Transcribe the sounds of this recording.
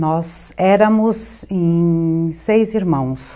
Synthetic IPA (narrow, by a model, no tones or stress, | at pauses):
nɔz | ɛɾɐmʊzẽ | sejziɾmɐ̃w̃s